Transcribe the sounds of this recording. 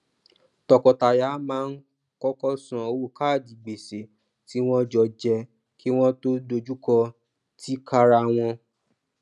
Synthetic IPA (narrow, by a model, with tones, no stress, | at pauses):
tɔ˨kɔ˨ta˨ja˨˦mãː˦n̩˦ | kɔ˦kɔ˦sã˨o˧wo˦˨ka˦˨d͡ʒi˨ɡ͡be˨se˨ | ti˦w̃ɔ̃˦d͡ʒɔ˧˨d͡ʒɛ˧ | ki˦w̃ɔ̃˦to˦do˧d͡ʒu˦kɔ˧ | ti˦ka˦˧ɾa˧˨w̃ɔ̃˧